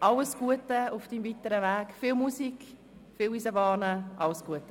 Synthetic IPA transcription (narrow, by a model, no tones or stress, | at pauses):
ʔɑləsɡ̥uətəʊfd̥iːmvitəɾəʋæːɡ̥filmusik | fiːliːsəbɑːnəʔɑlsɡ̥uətə